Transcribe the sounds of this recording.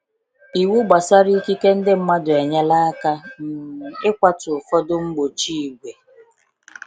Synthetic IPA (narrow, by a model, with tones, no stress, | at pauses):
i˨wu˦ɡ͡ba˨sa˦ɾi˦ki˦ke˦n̩˦dɪ˦m̩˦ma˦dʊ˨e˨ɲa˦la˦a˦ka˦m̩˨ɪ˦kʷa˦tʊ˨fɔ˦dʊ˦ŋ͡m̩˦ɡ͡bo˨t͡ʃi˦˨ɡʷe˨